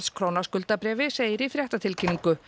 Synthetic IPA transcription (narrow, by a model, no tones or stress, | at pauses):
skʰɾownaskʏlt̪apɾɛːvɪseːjɪɾifɾjɛht̪at̪ʰɪlcʰinːiŋkʏ